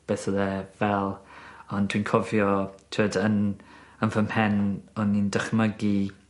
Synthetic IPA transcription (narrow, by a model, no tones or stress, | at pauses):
b̥eːθəðɛvɛlˠɔndʰwinkʰɔvjɔtʰuədənənvəmhɛnɔnindəχməɡi